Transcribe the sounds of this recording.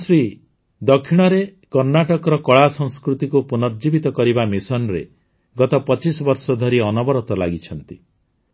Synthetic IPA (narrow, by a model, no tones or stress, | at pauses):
sɾi | d̪ɔkʰːiɽ̃ɔɾekɔɾnaʈɔkɔɾɔkɔɭasɔŋskɾut̪ikupunɔɾd͡ʒibit̪ɔkɔɾibamisɔnɾe | ɡɔt̪ɔpɔt͡ʃisɔbɔɾsɔd̪ʱɔɾiɔnɔbɔɾɔt̪ɔla̰ɡit͡ʃʰɔnt̪i